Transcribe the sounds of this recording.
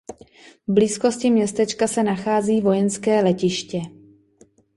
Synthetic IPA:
vbliːsko̞scɪmɲɛst̪ɛt͡ʃkasɛnaxaːziːvo̞jɛnskɛːlɛcɪʃcɛ

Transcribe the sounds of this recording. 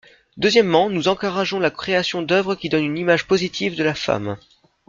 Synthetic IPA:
d̪øzjɛmːɑ̃nuzɑ̃kuʁaʒɔ̃lakχeasjɔ̃d̪œvʁəkʲid̪ɔnynimaʒpozit̪ʰivd̪əlafa̰m

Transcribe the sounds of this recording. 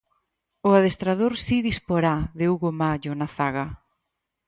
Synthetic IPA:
ʊaðest̪ɾað̞oɾsiðispoɾaðeuɣomaʎʊnaθaɣɐ

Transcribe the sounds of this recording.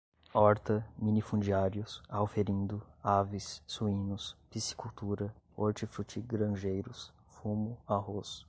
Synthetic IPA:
ɔɾt̪ɐmĩnifũd͡ʒiaɾjʊsawfeɾĩnd̪ʊavɪsːuĩnʊspisi̥kut̪uɾɐ | oɾt͡ʃifɾut͡ʃiɡɾɐ̃ʒejɾʊs | fumʊaɦos

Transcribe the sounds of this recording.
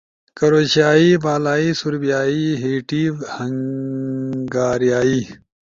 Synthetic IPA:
kɐɾoːɕaːiːbaːlaːiːsuɾbijaːiɦiːʈiːhɐŋ | ɡaːɾijaːiː

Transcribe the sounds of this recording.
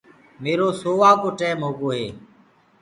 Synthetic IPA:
meːɾoːsoːʋaːkoːʈeːmɦoːɡoːɦeː

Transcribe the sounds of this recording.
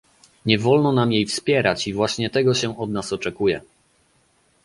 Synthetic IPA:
ɲɛvɔlnɔnamjejfspʲjɛɾat͡ɕivwaɕɲɛt̪ɛɡɔɕɛɔd̪nasɔt͡ʂɛkujɛ̰

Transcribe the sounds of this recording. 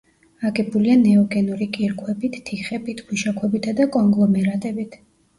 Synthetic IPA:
akʼɛbulianɛɔɡɛnuɾikʼiɾkʰwɛbit̪ʰːiχɛbit̪ʰɡʰwuʃakʰwɛbit̪ʰad̪akʼɔŋɡlˠɔmɛɾat̪ʼɛbit̪ʰ

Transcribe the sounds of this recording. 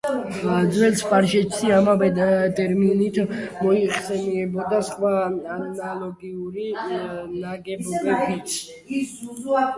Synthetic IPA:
ad̪zwɛlspʼaɾʃɛt͡ʃsiamavɛt̪ʼɛɾminit̪ʰmɔiχsɛniɛbɔd̪asχwaanɔnalɔɡiuɾinaɡɛbɔbɛbit̪sʰ

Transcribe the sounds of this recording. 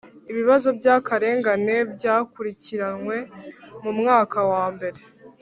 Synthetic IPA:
iβiβazo̞bjaːkaɾe̞ːŋɡane̞bjaːkuɾiciɾanŋwe̞mumŋaːkawaːmbe̞ɾe̞

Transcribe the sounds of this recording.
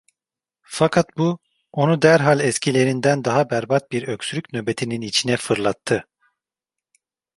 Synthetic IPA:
fakʰat̪̚bu | o̞nud̪æɾɦalʲɛscʰilʲe̞ɾind̪ænd̪aɦabæɾbat̪̚biɾøkʲsyɾy̥cʲnøbe̞t̪ʰininit͡ʃʰinɛfɯɾlˠat̪ʰːɯ

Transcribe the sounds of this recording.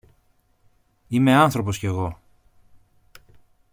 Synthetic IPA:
ime̞ɐnθɾo̞p̬o̞sceɣo̞

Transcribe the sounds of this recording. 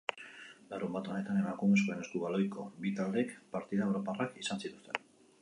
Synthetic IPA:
larɾumbat̪o̞ne̞t̪ane̞makume̞skoe̞ne̞skuβalo̞jko̞bit̪ald̪e̞kpaɾt̪iðaeɾoparakisansit̪u̥st̪e̞n

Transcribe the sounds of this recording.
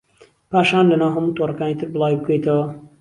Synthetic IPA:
paːʃaːnlɐnaːwɦɐmuːt̪ʰoːrˤɐkaːnit̪ʰɨɾbɨlˠaːwibɨkʰejt̪ɐwɐ

